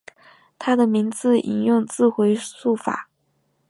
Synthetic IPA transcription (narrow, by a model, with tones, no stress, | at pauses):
t̪ʰa˥d̪ə˨mi˧˥ŋt͡sɹ̩˥˩ḭ˨˩njʊ˥˧ŋt͡sɹ̩˥˩xwe˧˥ɪsu˥˩fa̰˨˩˦